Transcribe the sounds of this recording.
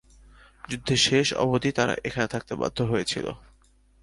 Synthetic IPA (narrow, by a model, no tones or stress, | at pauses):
d͡ʑud̪ʱːeʃeʃɔ̰bod̪it̪aɾa̰ʔekʰanet̪ʰak̚t̪eba̰d̪ʱːoɦojet͡ɕʰḭlo̰